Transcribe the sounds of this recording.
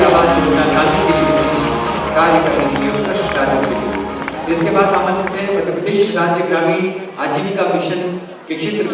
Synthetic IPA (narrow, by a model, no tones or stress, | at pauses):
aːʋaːzoɾonad̪aːnikeliʋɪseːʃ | kaːɾjəkɐɾnekeliɔɾspɾɐʃnkaːɾet̪kelḭ | ɪskebaːd̪aːmə̃nt̪ɪt̪ẽɦɛ̃pɾɐt̪ɪpɾəd̪eːʃɾaːd͡ʒjəɡɾaːmi | aːd͡ʒiːmikamɪʃən | kekʃʰɪt̪ɾ